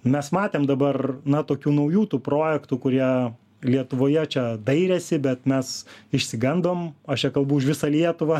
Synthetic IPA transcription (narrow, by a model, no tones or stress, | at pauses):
mʲɛsmɑːt̪ʲeːmd̪ɐbɐrnɐt̪oːkʲuːnɐʊjuːt̪uːpɾoːjɛkt̪uːkʊɾʲiɛ | lʲiɛt̪ʊʋoːjɛt͡ʃʲɛd̪ɐɪɾʲɛsʲɪbʲɛt̪mʲɛsɪʃʲsʲɪɡɐnd̪oːmɐʃt͡ʃʲɛkɐlˠbʊɪʃʋʲɪsɐlʲiɛt̪ʊʋɑ